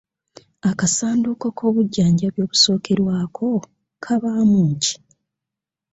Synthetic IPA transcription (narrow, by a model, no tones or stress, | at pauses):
akasaːnduko̞kʰo̞ːβuɟːaːɲɟaβjo̞ːβuso̞ːkʰe̞ɾwaːkʰo̞ | kʰaβaːmuːɲci̥